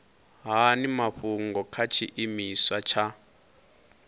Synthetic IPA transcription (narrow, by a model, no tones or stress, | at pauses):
ɦanimaɸuŋɡɔkʰat͡ʃʰiʔimiswat͡ʃʰa